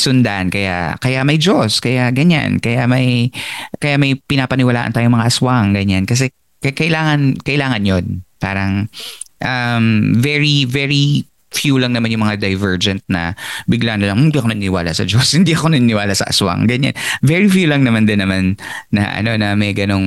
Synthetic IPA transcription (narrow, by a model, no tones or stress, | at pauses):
sʊnd̪aʔnkɐja̰ʔkɐjaʔmɐjd͡ʒoskɐjaʔɡɐɲa̰nkɐjaʔmɐjkɐjaʔmɐjpɪnaːpɐnɪwɐla̰ːʔɐ̰nt̪aːjoŋmɐŋaʔɐswaŋɡɐɲankɐs̬ɛ | kɐkɐʔɪlaːŋɐnkɐʔɪlaːŋɐnjonpa̰ːɾɐŋʔɐmvɛɹivɛɹi | fjulɐŋnɐmanjʊŋmɐŋad̪ɐjvɛɹd͡ʒɛnt̪̚nɐ̰bɪɡlanɐlɐŋhɪnd̪iʔɐkonɐnɪnɪwa̰ːlʔasɐd͡ʒoshɪnd̪iʔɐko̞nɐnnɪwaːlasɐ̰ʔɐ̰swa̰ŋɡɐɲa̰nvɛɹifjuːlɐŋnɐmand̪ɪnːɐmanː | ɐ̰ʔɐ̰no̞nɐmɛjɡɐno̞ŋ